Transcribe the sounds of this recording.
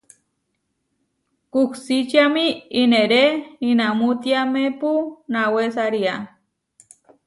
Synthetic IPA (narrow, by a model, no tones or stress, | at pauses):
kuhsit͡ʃiamiineɾeinamut̪iamepunawesaɾia